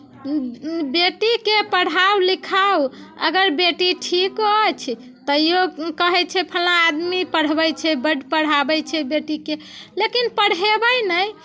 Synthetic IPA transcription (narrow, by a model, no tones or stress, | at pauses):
beʈikepəɽ̤awlikʰawə̰ɡəɾbeʈiʈʰikət͡ʃʰ | t̪əjjokəɦɛt͡ʃʰɛpʰəlãːd̪mipəɽ̤bəjt͡ʃʰɛbəɖʱpəɽ̤abəjt͡ʃʰɛbeʈike | lekinpəɽ̤ebəjnəj